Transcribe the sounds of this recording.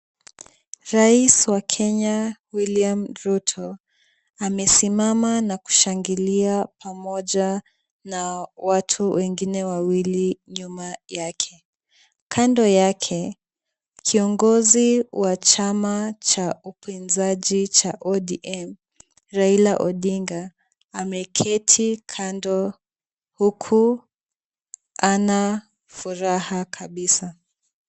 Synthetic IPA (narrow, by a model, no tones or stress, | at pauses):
ɾaiswakʰɛɲawiliamɾutʰɔ | amɛsimamanaku̥ʃaŋɡiliapʰamɔʄa | nawatʰuwɛŋɡinɛwawiliɲumajakʰɛ | kʰandɔjakʰɛ | kʰiɔŋɡɔziwat͡ʃamat͡ʃaupinzaʄit͡ʃaʔɔɗiʔɛm | ɾailaʔɔɗiŋɡaː | mɛkʰɛtʰikʰandɔ | hukʰu | ana | fuɾahakʰaɓisa